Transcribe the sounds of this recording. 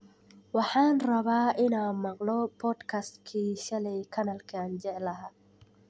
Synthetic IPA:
wɑħɑːnrɐβaːʔɪnaːnmɑqlɔpʰɔd̪kʰast̪kʰiːʃɐlɛjkʰɐnalkʰaːnd͡ʒɛʕlɐɦaː

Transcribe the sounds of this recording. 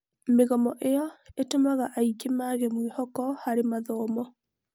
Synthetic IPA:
meɣɔmɔʔeɔetomaɣaʔaikemaɣɛmwehɔkɔhaɾemaðɔːmɔ

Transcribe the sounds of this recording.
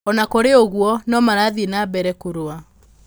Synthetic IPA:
ɔnakoɾeoɣwɔnɔmaɾaðinaːbɛɾɛkoɾoa

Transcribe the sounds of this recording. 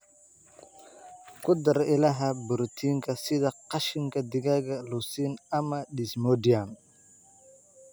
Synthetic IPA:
kʰʊd̪ɐɾɪlɐɦɐbʊɾt̪ʰiːŋkʰɐsɪðɐqɑʃɪŋkʰɐd̪ɪɣaːɣɐlusiːnɐmɐɖɪsmɔdian

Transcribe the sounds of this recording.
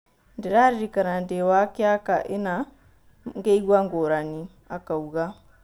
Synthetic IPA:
ndiɾaɾiɾikaɾandewakiakaʔina | ŋɡeiɡwaŋɡoɾani | akauɣa

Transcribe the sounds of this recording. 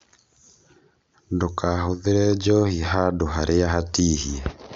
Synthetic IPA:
ndokahoðeɾɛd͡ʒɔhiɦadoɦaɾʔeaɦatiːhiɛ

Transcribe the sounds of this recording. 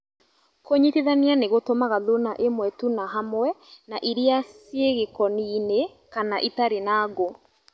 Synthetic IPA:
koɲitiðanianeɣotomaɣaðonaʔemwɛtunaɦamwɛnaʔiɾiasjeɣekɔniːne | kanaʔitaɾenaːɣo

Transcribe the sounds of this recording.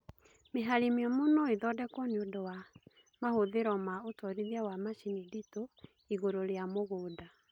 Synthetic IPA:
meɦaɾimiɔmonɔiðɔdɛkɔneodɔwa | mahoðeɾɔmaotɔɾiðiawamaʃinidito | iɣoɾoɾeamoɣoːda

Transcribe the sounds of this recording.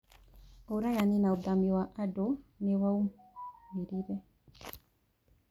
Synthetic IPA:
oɾajaninaod̪amiwaʔadonewaumeɾiɾɛ

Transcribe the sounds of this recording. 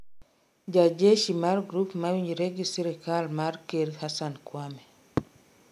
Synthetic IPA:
d͡ʒad͡ʒeʃimarɡɾupmawiɲɾeɡisiɾikalmarkeɾhasankwamɛ

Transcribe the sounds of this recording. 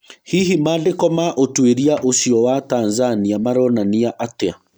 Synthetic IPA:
hiɦimadekɔmaʔotweɾiaʔosiɔwatanzaniamaɾɔnaniaʔatea

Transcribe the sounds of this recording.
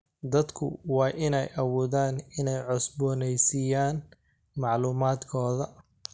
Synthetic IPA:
d̪ɐd̪kʰʊ̰wɑːʔɪnɛjʔɐwuːðaːnɪnɛjʕɔsbɔːnɛjsijaːn | mɑʕluːmaːd̪kʰɔːðɐ

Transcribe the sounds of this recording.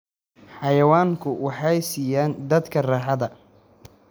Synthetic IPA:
ħɑjɐwaːŋkʰʊwɑħɑjsiːjaːnd̪ɐd̪kʰɐrɑːħɑðɐ

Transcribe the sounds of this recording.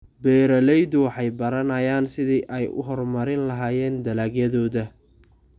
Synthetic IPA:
bɛːɾɐlɛjðʊwɑħɑjbɐɾɐnɐjaːnsɪðiʔɛjʔʊ̰ɦɔrmɐɾɪnlɐɦaːjɛːnd̪ɐlaːɡjɐðɔːðɐ

